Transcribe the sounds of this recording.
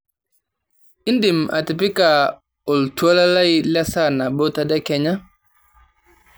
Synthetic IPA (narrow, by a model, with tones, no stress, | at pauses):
i˦ndi˨mʔa̰˨ti˨pi˦ka˨ | o˨ltu˦a˦la˦la˦i˦la˦sa˦˨na˨bo˦ta˨dɛ˦kɛ˨ɲa˦